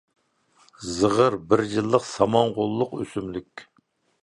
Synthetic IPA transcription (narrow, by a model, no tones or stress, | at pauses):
zəʁəɾbɪɾjɨlˠːəqsɑmɑŋʁʊlˠːʊqøsymlykʲ